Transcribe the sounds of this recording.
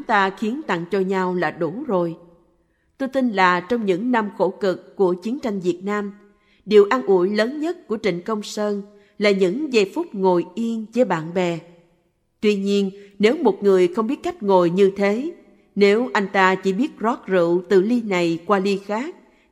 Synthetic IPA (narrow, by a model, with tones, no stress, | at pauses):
t̪aː˧xi˨˦ənt̪a̰˧˨ŋt͡ɕɔ˧ɲa˧wlaː˨˩ɗu˧˩zo˨˩j | t̪o˧jt̪i˧nlaː˨˩t͡ɕɔ˧wŋ͡mɲɨ̰˧˥ŋna˧mxo˧˩kɨ˨˩kːu˧˩ət͡ɕi˨˦ənt͡ɕa˧jŋ̟vi˨˩ət̚naː˧m | ɗi˨˩əwʔaː˧nʔu˧˩əjləː˨˦nɲə˦˥t̚ku˧˩ət͡ɕï˨˩ŋ̟kə˧wŋ͡msəː˧n | laː˨˩ɲɨ̰˧˥ŋze˨˩fʊ˦˥k͡p̚ŋo˨˩jʔi˧ənzə˧˦ɓa̰ː˧˨nɓɛ˨˩ | t̪wi˧ɲi˧ənne˨˦wmo˨˩t̚ŋɨ˨˩əjxə˧wŋ͡mɓi˦˥ət̚ka˦˥jk̟̚ŋo˨˩jɲɨ˧t̪ʰe˨˦ | ne˨˦wʔa˧jŋ̟t̪aː˧t͡ɕḭ˧˩ɓi˦˥ət̚zɔ˦˥t̚zɨ̰˧˨t̪ɨ̰˧˨li˧na˨˩jkwaː˧li˧xaː˦˥k̚